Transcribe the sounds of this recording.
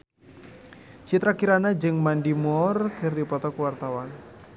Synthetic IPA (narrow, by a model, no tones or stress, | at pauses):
t͡ʃit̪ɾakiɾanad͡ʒɨŋmandimɔrkʰɨrdipɔt̪ɔkuwart̪awan